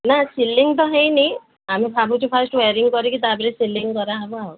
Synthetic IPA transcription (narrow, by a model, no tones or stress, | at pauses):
nasilːiŋɡt̪̬ɔɦẽjnej | amipabʱuʈupʰasʈweɾiŋkɔɾikit̪abeɾisilːiŋkɔɾaabuaw